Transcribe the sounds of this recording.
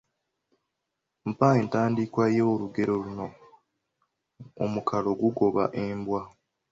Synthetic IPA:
m̩paentaːndikwajeːluɡe̞ɾo̞luno̞ | o̰mukʰalo̞ɡuɡo̞βaʔeːmbwa

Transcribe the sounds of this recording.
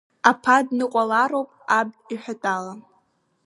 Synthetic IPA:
apʰadnɨqʷʼalaɾowpʼab̚iħʷᶣatʼala

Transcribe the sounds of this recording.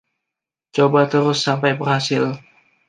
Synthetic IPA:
t͡ʃobat̪əɾʊsːampajbərhasɪl

